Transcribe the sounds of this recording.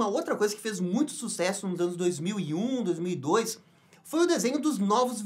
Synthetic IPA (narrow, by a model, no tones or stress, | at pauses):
mɐowt̪ɾɐkojzɐkɪ̥fezmũj̃t̪ʊ̥susɛsʊnʊzɐ̃nʊzd̪ojzmiwiũd̪ojzmiwid̪ojs | fojʊd̪ezẽɲʊd̪ʊznɔvʊzv